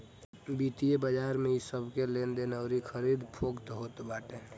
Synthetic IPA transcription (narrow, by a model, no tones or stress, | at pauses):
bit̪iebəd͡ʒaɾmeisəbʱkelend̪enəʊɾikʰəɾid̪pʰokt̪ɦot̪baːʈe